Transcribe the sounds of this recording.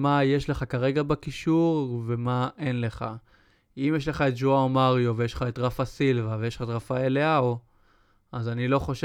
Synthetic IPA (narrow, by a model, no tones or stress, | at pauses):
majeʃle̞χakaʁe̞ɡabakiʃuʁve̞maʔe̞nle̞χa̰ | imjeʃ̬le̞χaet̚d͡ʒuaomaʁjovejeʃlχaetʁafasilvavejelχaetʁafaeleao | azanilo̞χo̞ʃ